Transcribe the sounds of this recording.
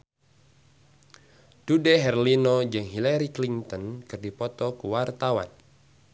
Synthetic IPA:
d̥udɛɦɛrlinɔd͡ʒɨŋɦilaɾikliŋt̪ɔnkɨrdipɔt̪ɔkuwart̪awa̰n

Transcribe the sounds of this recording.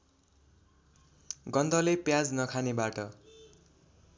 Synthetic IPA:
ɡʌnd̪ʱʌlepjad͡znʌkʰanebaʈʌ

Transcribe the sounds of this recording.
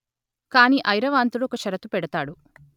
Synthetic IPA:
kaːniːʔɐjɾɐʋaːnt̪uluɔkɐʃɐɾɐt̪upɛɽɐt̪aːɽu

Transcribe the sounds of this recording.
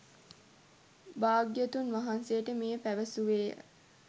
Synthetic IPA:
baːɡjət̪unʋaɦansejəʈəmejəpæʋəsuʋḛː

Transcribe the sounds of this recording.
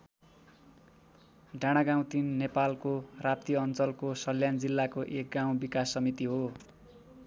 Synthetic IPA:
ɖʱaɽ̃aɡãw̃t̪inːepalkorap̚t̪ijʌʌnt͡sʌlkosʌljand͡zilːakoʔek̚ɡaw̃bikasːʌmit̪iɦo

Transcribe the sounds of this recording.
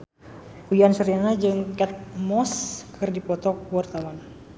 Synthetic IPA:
ujansəɾianad͡ʒɨŋkɛt̪̚mɔskʰɨrdipɔt̪ɔkwart̪awan

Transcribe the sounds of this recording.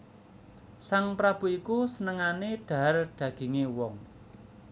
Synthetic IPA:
saŋpɾab̥ṳikusənəŋaneɖ̪̥a̤rɖ̪̥ä̤ɡ̥e̤ŋewɔŋ

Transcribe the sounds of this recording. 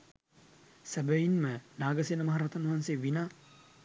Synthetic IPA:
sɐbɐjinmɐnaːɡɐsenɐmɐɦɐɾɐt̪ɐnuɦanseːʋinaː

